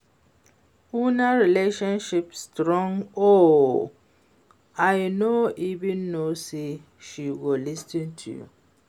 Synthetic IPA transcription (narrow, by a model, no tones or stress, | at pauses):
unaɾileʃɔ̃nʃipstɾɔ̃ŋo | ajnoivĩnːose | ʃiɡolistĩntʰṵjṵ